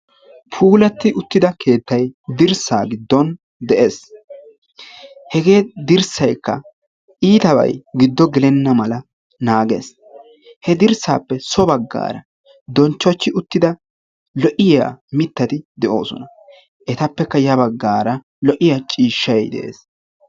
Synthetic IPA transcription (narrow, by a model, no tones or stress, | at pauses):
pʰuːlɐt̪ːɪʊt̪ːɪd̪ɐkʰe̞ːt̪ːɐjd̪ɪɾsa̰ːɡɪd̪ːɔn | d̪ɛʔe̞ːs | hɛɡe̞ːd̪ɪɾsɐjkːɐ̰ | ʔiːt̪ɐbɐ̰jɡɪd̪ːɔɡɛlɛnːɐmɐlɐ | naːɡḛːs | hɛd̪ɪɾsa̰ːpːɛsɔbɐɡːa̰ːɾɐ | d̪ɔnt͡ʃːɔt͡ʃːɪʔʊt̪ːɪd̪ɐ | lɔʔɪja̰ːmɪt̪ːɐt̪ɪd̪ɛʔo̞̰ːsɔnɐ | ʔɛt̪ɐpːɛkːɐjɐbɐɡːaːɾɐ | lɔʔɪjaːt͡ʃʼiːʃːɐjd̪ɛ̰ʔḛːs